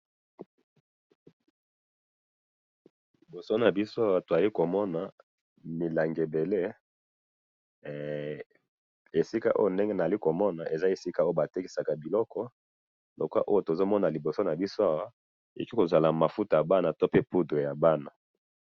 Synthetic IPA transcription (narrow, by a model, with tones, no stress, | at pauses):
li˨bo˨so˦na˨bi˦so˦a˦wa˦to˨a˨li˦ko˨mɔ˦na˨ | mi˨la˨ŋɡe˨be˨le˦ | e˨si˦ka˨ʔo̰˦jo˦˨nde˦ŋɡe˦na˨a˨li˦ko˨mɔ˦na˨ʔe˨za˦e˨si˦ka˨o˦jo˦ba˨te˦ki˨sa˨ka˨bi˨lɔ˦kʰɔ˦ | lo˨ka˦ʔo˦jo˦˨to˨zo˦mɔ˦na˨li˨bo˨so˦na˨bi˦so˦a˦wa˦ | e˨o˨ki˦ko˨za˨la˨ma˨fu˦ta˨ja˨ba˦na˨to˦pe˦pu˦dʁe˨ja˨ba˦na˨